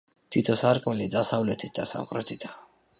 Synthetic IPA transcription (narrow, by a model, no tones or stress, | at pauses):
t̪ʰit̪ʰɔsaɾkʼwɛlid̪asavlɛt̪ʰit̪̚d̪asa̰qʼɾɛt̪ʰit̪ʰḁ